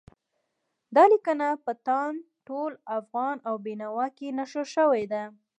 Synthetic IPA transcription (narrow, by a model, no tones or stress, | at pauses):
d̪ɑlikənapət̪ɑn | ʈolafɣɑnawbinawɑkenaʃəʃəwajd̪a